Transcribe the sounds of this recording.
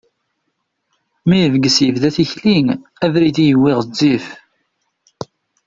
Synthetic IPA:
mijəvɡəsjəvðæθiçliŋæðɾiðijəwːɪʁd͡zːif

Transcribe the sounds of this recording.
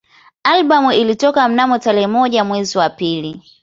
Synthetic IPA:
alɓamuilitɔkam̩namɔtaɾɛhɛmɔʄamwɛziwapili

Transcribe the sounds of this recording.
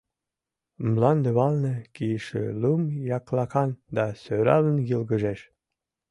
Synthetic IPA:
mlɑnd̪ə̆βɑlnɤ̆kiʃḛlumjɑklɑkɑnd̪ɑsøɾɑ̰lənjəlɣəʒeʃ

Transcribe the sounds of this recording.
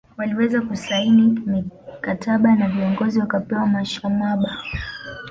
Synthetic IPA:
waliwɛzakusainimikatʰaɓanaviɔŋɡɔziwakapɛwamaʃamaɓa

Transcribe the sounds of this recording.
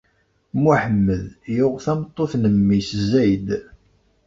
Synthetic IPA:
muħəmːəðjʊʁθæmt̪ˤːoθnəmːiszæjd̪

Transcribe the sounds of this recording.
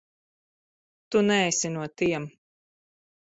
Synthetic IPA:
t̪unɛːjsʲinuɔt̪iɛm

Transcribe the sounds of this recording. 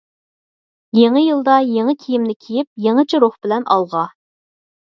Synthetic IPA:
jeŋəjɨlˠd̪ɑjeŋəkʲʰijɪmnɪkʲʰijɪp̚jeŋɨt͡ʃʰiɾoχbɪlɛnɑ̰lˠʁɑ

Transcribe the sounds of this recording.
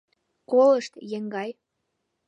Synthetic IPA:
koləʃt̪jeŋɡɑj

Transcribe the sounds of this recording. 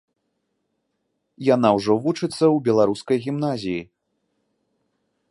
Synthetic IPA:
jan̪awʐɔvut͡ʂɨt̪sːɐwbʲɛlˠaɾuskɐjɣʲimnazʲiji

